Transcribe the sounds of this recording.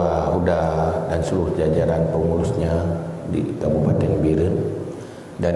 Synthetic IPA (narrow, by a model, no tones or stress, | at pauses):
audadansuɾuhd͡ʒad͡ʒaɾanpəŋuɾusɲadḭkabupat̪ɛŋbiɾən | da